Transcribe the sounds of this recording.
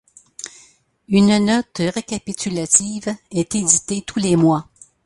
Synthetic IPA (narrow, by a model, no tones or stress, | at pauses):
ynnɔt̪ʁekʲapit̪ylat̪ivɛt̪ed̪it̪et̪ʰulemwa